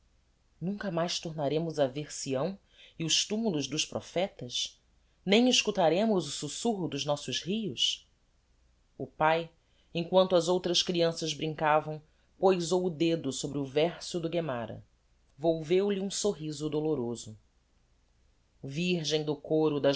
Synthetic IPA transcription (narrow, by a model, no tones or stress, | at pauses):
nũŋkɐmajst̪oɾnaɾẽmʊzɐveɾsiɐ̃w̃ | ɪʊʃt̪umulʊzd̪ʊʃpɾɔ̰fɛt̪ɐs | nẽj̃ɪʃkut̪aɾẽmʊzʊsusuɦʊd̪ʊznɔsʊzhijʊs | ʊpaj | ẽŋ̃kwɐ̃nt̪ʊɐzowt̪ɾɐʃkɾiɐ̃sɐzbɾĩŋkavɐ̃w̃ | pojzowʊd̪ed̪ʊsobɾɪʊvɛɾsʊd̪ʊɡemaɾɐ̰ | vowvewlɪũsoɦizʊd̪oloɾozʊ | viɾʒẽj̃d̪ʊkoɾʊd̪ɐ